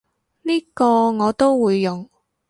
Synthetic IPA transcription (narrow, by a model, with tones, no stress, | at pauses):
liː˥kɔː˧ŋɔː˨˧t̪o˥wwuː˨˧jːʊ˨ŋ